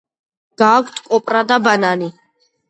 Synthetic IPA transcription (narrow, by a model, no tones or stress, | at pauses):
ɡ̥aːkʷʰt̪ʰkʼɔpʼɾad̪abanani